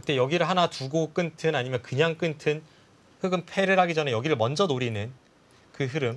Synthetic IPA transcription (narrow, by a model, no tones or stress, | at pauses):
kɯt͈e̞jʌɡiɾɯɭɦanatuɡok͈ɯntʰɯnaɲimjʌnkɯɲaŋk͈ɯntʰɯn | hɯɡɯnpʰe̞ɾɯɾɦaɡid͡ʑʌnejʌɡiɾɯɭmʌnd͡ʑʌnoɾinɯn | kɯɦɯɾɯm